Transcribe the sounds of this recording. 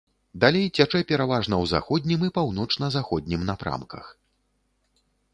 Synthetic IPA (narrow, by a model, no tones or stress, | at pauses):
d̪alʲejt͡sʲat͡ʂɛpʲɛɾavaʐnɐwza̰xɔd̪ʲnʲimɨpawn̪ɔt͡ʂnɐzaxɔd̪ʲnʲimnɐpɾa̰mkɐ̰x